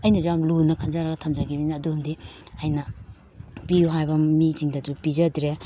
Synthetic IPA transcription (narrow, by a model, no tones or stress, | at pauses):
ɐjnɐd͡ʒamlunɐkʰɐnzaɾɐɡɐtʰɐmd͡ʒaɡibinɐːdumdiɐjnɐ | piuɦajbɐmiziŋdɐd͡ʒupizɐdɾe